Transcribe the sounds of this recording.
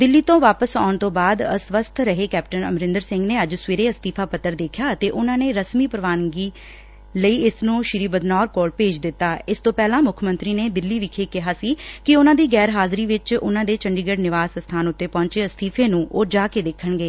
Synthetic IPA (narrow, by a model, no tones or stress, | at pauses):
d̪ɪlːiːt̪õːʋaːpəsaːɳt̪õːbaːd̪əsʋəst̪ʰɾəɦeːkɛːp̚ʈənə̰mɾɪ̃nd̪əɾsɪ̃ŋɡneːəd͡ʒsʋeːɾeːəst̪iːpʰaːpət̪ːəɾd̪eːkʰjaːət̪eːʔʊnãːneːɾəsmiːpəɾəʋaːnɡiː | ləiːɪsnũːʃɪɾiːbəd̪nɔːɾkoːlpeːd͡ʒd̪ɪt̪ːaːɪst̪õːpɛːlãːmʊkʰmə̃nt̪ɾiːneːd̪ɪlːiːʋiːkʰeːkɪɦaːsiːkɪʊnãːd̪iːɡɛːɾɦaːzɾiːʋɪt͡ʃʊ̰nãːd̪eːt͡ʃəɳɖiːɡəɽnɪʋaːsəst̪ʰaːnʊt̪ːeːpɔ̃ːɲt͡ʃeːəst̪ʰiːpʰeːnũːʔoːd͡ʒaːkeːd̪eːkʰːəɳɡeː